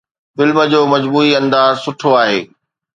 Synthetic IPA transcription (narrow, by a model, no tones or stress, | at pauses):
fɪlmə̆d͡ʑoːmɐd͡ʑbuːiɐ̃nd̪aːzsʊʈʰoaːɦeː